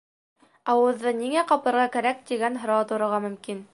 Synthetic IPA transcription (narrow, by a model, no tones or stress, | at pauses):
ɑwɤ̆ðːɤniŋæqɑpɤ̆ɾʁɑkæɾæk̚t̪iɡænɦɤ̆ɾɑt̪ŏɾɤ̆ʁɑmɵ̆mkin